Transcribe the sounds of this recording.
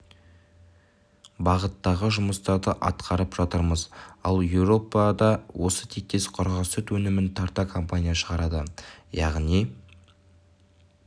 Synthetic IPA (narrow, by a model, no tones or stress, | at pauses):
bɑʁət̪ːɑʁəʒʊməst̪ɑɾd̪əʔɑ̰t̪qʰɑɾəpʒ̥ɑt̪əɾməzɑ̰lˠjewɾo̞pɑd̪ɑwʔo̞sət̪ʰek̚t̪e̞sqʰʊɾʁɑst̪ɪt̪wɵnɪmɪnt̪ʰɑɾt̪ɑkʰo̞mpanʲijaʃəʁɑɾɑd̪əjɑʁni